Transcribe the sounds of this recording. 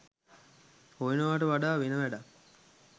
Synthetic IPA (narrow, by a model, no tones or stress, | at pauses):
pojnəʋaːʈəʋaɖaːʋenəʋæɖa